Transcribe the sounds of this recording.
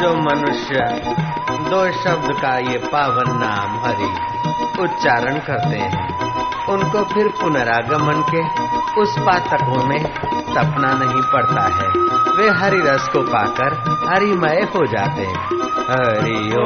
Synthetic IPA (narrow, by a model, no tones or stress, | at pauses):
d͡ʒoːmɐnʊʃjə | d̪oːʃɐbd̪kajepaːʋənːaːmɦɐɾḭː | ʊt̪t͡ʃaːɾənkɐɾt̪ḛɦɛ̰̃ː | ʊnkopʰɪɾpʊnəɾaɡɐmənkeʊspaːt̪əkõmẽ | t̪ɐpnanɐɦĩpɐɽt̪a̰ɦɛːʋeːɦɐɾiɾɐskopaːkəɾhɐɾimɐeɦod͡ʒa̰ːt̪ḛɦɛ̃ | ɦɐɾi | oː